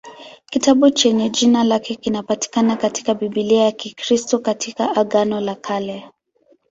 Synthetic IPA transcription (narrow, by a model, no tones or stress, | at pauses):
kitaɓut͡ʃɛɲɛd͡ʒinalakɛkinapati̥kanakati̥kaɓiɓiliajakikɾistɔkatikaʔaɠanɔlakʰalɛ